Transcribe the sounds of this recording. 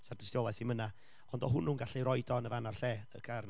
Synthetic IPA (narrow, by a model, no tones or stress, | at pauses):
sardɪstjoːlˠajθiməna | ɔndɔɦʊnuːnɡaɬiɾɔɨdɔnəvanarɬɛːə̰kʰarn